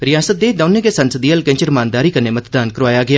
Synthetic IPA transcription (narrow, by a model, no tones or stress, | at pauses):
ɾɪjaːsət̪̚d̪eːd̪aːnẽːkeːsənsəd̪iːəlkẽɲt͡ʃəɾmaːnd̪aːɾiːkənːeːmət̪d̪aːnkəɾʋaːjaːɡɪaː